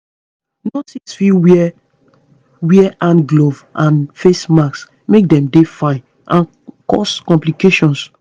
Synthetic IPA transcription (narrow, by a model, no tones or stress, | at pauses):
nɔtĩsfiw | wiɛʔãnɡlovʔãnfesmaks | mek̚dɛ̃mdefaɪ | ʔãn | kɔ̰skɔ̃mplikeʃɔ̃ns